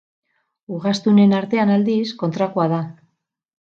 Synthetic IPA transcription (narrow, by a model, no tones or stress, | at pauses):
uɣast̪une̞naɾt̪e̞anald̪isko̞nt̪ɾakoaða